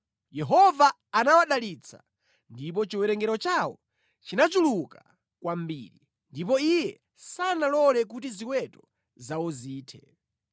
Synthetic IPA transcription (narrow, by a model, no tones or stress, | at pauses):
jɛɦɔvaː | nawaɗalit͡sʰa̰ | ndip̬ɔt͡ʃiwɛɾɛŋɡɛɾɔt͡ʃawɔ̰ | t͡ʃinat͡ʃuluka | kwambiɾi | ndip̬ɔijɛ | sanalɔlɛk̬ut̬iziwɛtɔ | zawɔziːtʰɛ